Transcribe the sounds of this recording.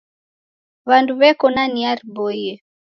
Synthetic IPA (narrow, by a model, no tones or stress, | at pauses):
βanduβɛkɔnaniaɾibɔiɛ